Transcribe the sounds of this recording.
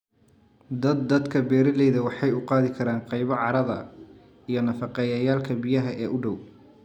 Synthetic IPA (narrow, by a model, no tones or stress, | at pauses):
d̪ɐd̪ːɐd̪kʰɐbɛːɾɐðɛjðɐwɑħɑjʊqɑːðɪkʰɐɾaːnqɑjβɐʕɑɾɐðɐ̰ | ijɞnɐfɑqɛjɐjaːlkʰɐbijɐɦɐʔɛːʔʊɖɔw